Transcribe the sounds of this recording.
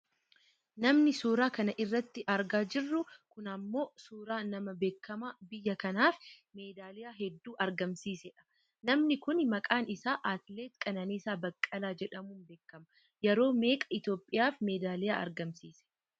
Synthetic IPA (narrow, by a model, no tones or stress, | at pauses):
nɐmnɪsuːɾaːkɐnɐʔɪrːɐt̪ːɪʔɐɾɡaːd͡ʒɪrːʊkʊnɐmːo̞ːsuːɾaːnɐmɐbe̞ːkːɐmaːbɪjːɐkɐnaːfme̞ːd̪aːlɪjaːɦɛd̪ːuːʔɐɾɡɐmsiːsɛᶑɐ̥ | nɐmnɪkʊnmɐkʼaːnɪsaːʔaːt̪le̞ːt̪kʼɐnɐniːsaːbɐkʼːɐlaːd͡ʒɛᶑɐmuːnbe̞ːkːɐmɐ | jɛɾo̞ːme̞ːkʼɐ̥ɪt̪jo̞ːpʼːɪjaːfmeːd̪aːlɪjaːʔɐ̰ɾɡɐmsiːsɛ̥